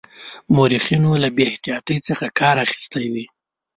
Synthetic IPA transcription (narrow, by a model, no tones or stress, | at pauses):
moɾixinolabeɪht̪ijɑt̪əjt͡səxakʰɑɾaxi̥st̪awi